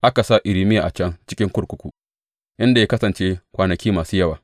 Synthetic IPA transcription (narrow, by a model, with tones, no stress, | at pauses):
ʔa˦ka˨sa˦ʔɪ˨ɾɪ˦mɪ˦jaː˨ʔa˨t͡ʃɛ˦ŋt͡ʃɪ˦kʲɪ˦ŋkʷʊ˦ɾkʷʊ˦kʷu˨ | ʔɪ˦nda˨ja˦kɐ˦sɐ˨nt͡ʃeː˦kʷaː˨nɐ˨kʲiː˦maː˨suː˦jɐ˦waː˨